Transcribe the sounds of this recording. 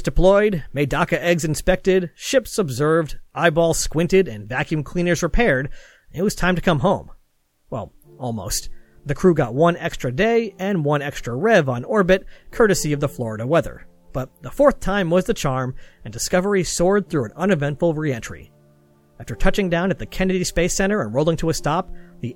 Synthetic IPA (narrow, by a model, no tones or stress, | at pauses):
zd̥ɨpʰl̥ɔɪd̚meɪdɑkɨʔɛɡzɨ̃nspɛk̚tɪd̚ʃɪpsəbzɜ˞vdʔaɪbɔlˠskwɪ̃ntɨɾɨ̰̃nvækʰjʉ̃mkʰl̥ĩnə˞zɹɨpʰɛɹd | nɨt̚wʌz̥tʰãɪ̃mtʰɨkʰʌ̃mɦõʊ̃m | wɛ̰lˠ | ɔlˠmo̰ʊst̪ | ðɨkʰɹ̥ʉɡɑt̚wʌ̃nɛkstɹ̥ɨdeɪɨ̃nwʌ̃nɛkstɹ̥əɹɛvn̩ɔɹbɨt̚kʰɜ˞ɾɨsiʌvðəflɔɹəɾəwɛðə̰˞ | b̥ʌt̪̚ðəfɔɹθtʰãɪ̃mwʌzðɨt͡ʃʰɑɹmɨ̃ndɨskʌvə˞isɔɹd̪̚θɹʉɨ̃nʌ̃nɨvɛ̃ntfl̩ˠɹiɛ̃nt͡ʃɹ̥ḭ | æftə˞tʰʌt͡ʃɪ̃ŋdãʊ̃nɨt̪̚ðɨkʰɛnɨɾispeɪsɛ̃ɾ̃ə˞ɨ̃nɹoʊlˠɪ̃ŋtʰəəstɑp̚ði